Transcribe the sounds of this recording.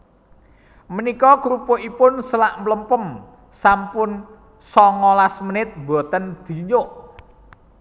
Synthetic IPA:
mənikɔɡɾupoʔipʊnsəlaʔmləmpəm | sampʊn | sɔŋɔlasmənɪt̪̚bo̤t̪ənd̪̥i̤ɲoʔ

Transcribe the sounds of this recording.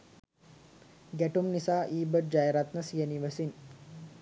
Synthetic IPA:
ɡæʈumnisaːʔiːbəd͡ʒajɾat̪nəsijəniʋəsin

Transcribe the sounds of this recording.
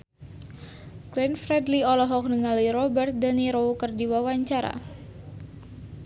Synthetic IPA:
klɛnfɾɛdliɔlɔɦɔk̚nəŋalirɔbərt̪̚d̪əniɾowkərdiwawaɲt͡ʃaɾa̰

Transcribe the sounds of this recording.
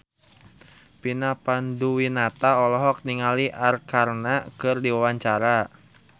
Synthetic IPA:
pinapanduwinat̪aɔlɔɦɔk̚niŋaliʔarkarnakɨrdiwawaɲt͡ʃaɾa

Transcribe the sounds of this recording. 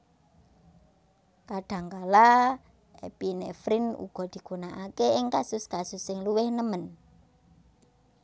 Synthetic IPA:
kaɖ̥ä̤ŋkala | ḛpinḛfɾɪnṵɡ̥ɔ̤d̪̥i̤ɡ̥unaʔakeɪŋkasʊskasʊsːɪŋluwɪhnəmən

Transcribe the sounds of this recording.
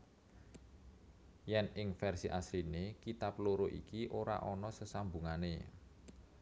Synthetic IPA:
jɛnɪŋfɛrsiʔasɾinekit̪aploɾoʔḭkiʔoɾa̰ʔɔnɔsəsambṳŋane

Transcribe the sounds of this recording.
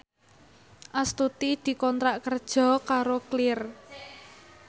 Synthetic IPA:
ʔast̪ut̪id̪̥i̤kɔnt̪ɾaʔkərd̥ʒ̥ɔ̤kaɾoklɪr

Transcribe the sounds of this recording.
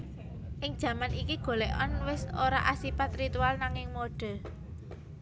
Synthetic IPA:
ʔɪŋd̥ʒ̥ä̤manikiɡ̥o̤lɛʔɔnwɪsoɾaʔasipat̪rit̪ualnaŋɪŋmoɖ̥ə̤

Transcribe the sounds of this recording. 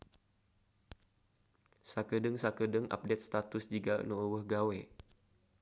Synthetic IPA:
sakədəŋsakədəŋʔa̰p̚dɛt̪̚st̪at̪ʊsd͡ʒiɡa̰noəwəhɡawɛ

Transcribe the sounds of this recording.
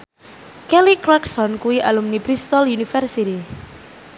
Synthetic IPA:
kɛlikɾaksɔnkuwiʔalumnipɾist̪ɔlunifɛrsit̪i

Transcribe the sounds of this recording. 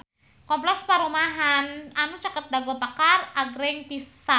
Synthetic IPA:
kɔmplɛkspaɾumaɦananut͡ʃakət̪̚daɡapakaraɡɾɛŋpisa

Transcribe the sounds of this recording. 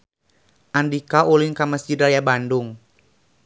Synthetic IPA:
ʔandikauliŋkaməsd͡ʒidajabandʊŋ

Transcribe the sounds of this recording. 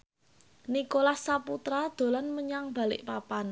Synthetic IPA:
nikolahsaput̪ɾad̪̥o̤lanməɲaŋb̥ä̤lɪ̰ʔpapan

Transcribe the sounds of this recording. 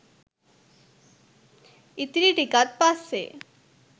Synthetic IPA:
it̪ɾiʈikat̪̚pasːḛ

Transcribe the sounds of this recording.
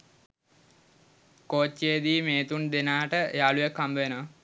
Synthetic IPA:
koːt͡ʃːeːd̪iːmeːt̪und̪enaːʈəejaːlujekːambəʋena

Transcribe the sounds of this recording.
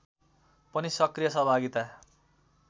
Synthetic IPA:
pʌnisʌkrijʌsʌɦbʱaɡit̪a

